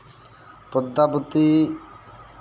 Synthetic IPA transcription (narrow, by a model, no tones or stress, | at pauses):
pod̪ːapot̪i